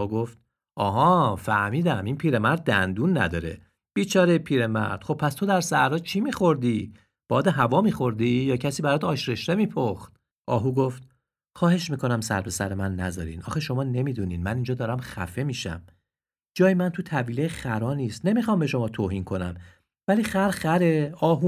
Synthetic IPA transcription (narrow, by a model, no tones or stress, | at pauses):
uɡoft̪̚ | ʔɒːɦɒːfæhmiːd̪æminpʰiːɾe̞mæɾd̪̚ːænd̪unːæ̰d̪ɒːɾe̞̰ | b̥iːt͡ʃʰɒːɾejpʰiːɾe̞mæ̰ɾd̪̥χxo̞b̚pʰːæst̪ʰo̞d̪æɾsæɾɒːt͡ʃʰimiːxo̞ɾd̪i | b̥ɒːd̪eɦævɒːmiːxo̞ɾd̪ijɒːcʰæsiːbæɾɒːd̪ɒːʃɾe̞ʃt̪emiːpʰoxt̪̚ | ʔɒːɦuɡoft̪ | χɒːhe̞ʃmiːko̞næmsæ̰ɾpʰe̞sæɾemænːæ̰zɒ̰ːɾḭːnʔɒ̰ːxeʃo̞mɒːne̞miːd̪uniːnmænind͡ʒɒːd̪ɒːɾæmxæ̰fe̞miːʃæ̰m | d͡ʒɒːjemænt̪ʰut̪ʰæviːlejxæɾɒːniːst̪ne̞mixɒmbe̞ʃo̞mɒːt̪ʰoːhiːnkʰo̞næ̰m | væliːxæɾxæɾeɒːɦu